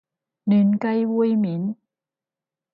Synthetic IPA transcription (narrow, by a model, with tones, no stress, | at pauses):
ni˨˦nka˧jwu˧əjmi˨˦n